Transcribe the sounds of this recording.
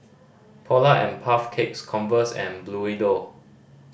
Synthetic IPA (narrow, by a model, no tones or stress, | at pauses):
pʰɔlaʔɛ̰̃npʰafkʰekskʰɔ̃nvəsɛ̰̃nbluido